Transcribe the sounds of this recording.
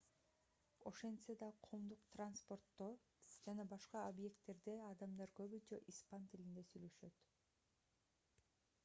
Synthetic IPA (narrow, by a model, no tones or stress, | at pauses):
o̞ʃe̞nt̪sed̪ɑqʰoːmd̪uqt̪ranspo̞rt̪ːo | d͡ʒɑnɑbɑʃqɑobje̞kt̪ːe̞ɾd̪eɑd̪ɑmd̪ɑɾkøβyd͡ʒeʔispant̪ilind̪e̞syjlø̞ʃø̞t̪